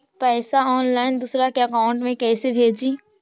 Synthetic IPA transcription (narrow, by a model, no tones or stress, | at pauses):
pɛːsaɔːnlaːɪnd̪uːsɾakeɐkaːʊ̃ɳʈmẽkɛːsebʱeːd͡ʒĩː